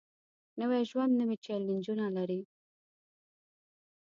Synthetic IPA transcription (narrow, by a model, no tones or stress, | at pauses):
nəwaʒwand̪nəwit͡ʃɛlɪnd͡ʒunalaɾi